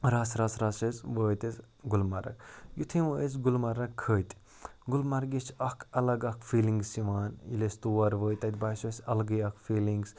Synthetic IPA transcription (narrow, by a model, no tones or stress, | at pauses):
ɾaːsɾaːsɾaːsesʋəːjt̪es | ɡulmɐɾɐ̰kjut̪ʰĩʋəes̬ɡulmɐɾɐkʰːəːjt̪ | ɡʊlmɐɾɡit͡ʃʰɐkʰɐlɐɡɐkʰfiːliŋɡsiʋaːnḭlest̪uːɐɾʋəːjt̪ɐt̪ʲbɐːsosʲɐlɡəjɐkʰfiːliŋɡs